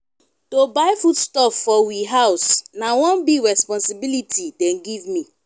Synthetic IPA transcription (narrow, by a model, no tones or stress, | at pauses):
tobaɪfutstɔffɔwiɦaʊsnawɔ̃nbiɹɛspɔ̃nsibilitʰidɛ̃nɡivmĩ